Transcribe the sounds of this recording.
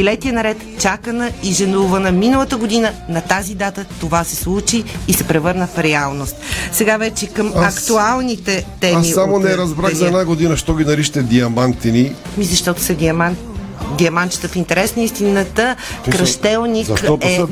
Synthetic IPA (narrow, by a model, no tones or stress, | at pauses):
ilɛt̪ijənɐɾɛt̪t͡ʃakənəiʒɛnuvənəminəlˠət̪əɡod̪inənɐt̪azid̪at̪ət̪ovasɛslˠut͡ʃiːsɛpɾɛvɤɾnəfɾɛalˠnost̪sɛɡavɛt͡ʃɛkəmɐkt̪ualˠnit̪ɛt̪ɛmisamonɛɾɐzbɾaɣzɐɛnaɡod̪inəʃt̪ɔɡʲinɐɾiʃə̥t̪ɛd̪iɐmant̪ːɛni | mizɐʃt̪ɔt̪o̥sɐɡiɐman | ɡ̪iɐmant͡ʃə̥t̪əfint̪ɛɾɛsnəist̪inət̪əkɾɐʃt̪ɛlˠnikɛ